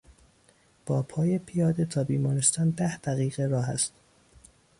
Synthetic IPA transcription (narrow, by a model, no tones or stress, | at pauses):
b̥ɒːpʰɒːje̞pʰijɒːd̪e̞t̪ʰɒːbiːmɒːɾest̪ɒːnd̪æhd̪̥æɣiːɣe̞ɾɒːɦæ̰st̪